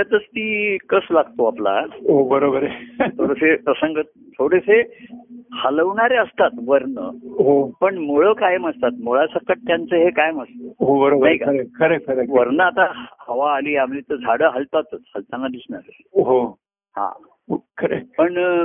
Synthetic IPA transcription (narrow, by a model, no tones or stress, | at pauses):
at̪ət͡st̪iːkəslaɡt̪oapla̰ɦobəɾobəɾet̪ʰoɾəsepɾəsəŋɡə | t̪ʰoɽese | haləʋɳaɾeəst̪at̪ʋəɾnə̰ɦopəɳmoɭəkajəməst̪at̪moɭasəkəʈ̚t̪jant͡səɦekajəməst̪əɦobəɾobənaikaəɾekʰəɾekʰəɾeʋəɾnəat̪ahəʋaːliːamlit̪əd͡zʱaɽəɦəlt̪at̪ət͡shəlt̪anːad̪isɳaɾe | ɦo | hã̰ | okʰəɾḛpəɳ